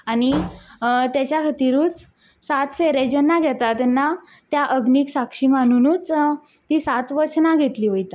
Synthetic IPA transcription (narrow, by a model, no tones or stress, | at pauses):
añi | t̪jat͡ɕjakʰət̪iɾũːt͡s | sat̪feɾed͡ʑənːaɡʱɛt̪at̪ːɛnːa | t̪jaʔəɡniːksakʂiːman̤unuːt͡s | t̪iːsat̪ʋəɾt͡ɕnaɡʱet̪liːʋəjt̪a